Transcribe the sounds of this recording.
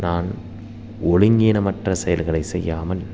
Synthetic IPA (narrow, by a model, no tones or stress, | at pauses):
naːn | ʔɔɻɪŋɡeːnɐmɐʈrɐsɛjɐlɣɐɭɐɪsɛjːaːmɐl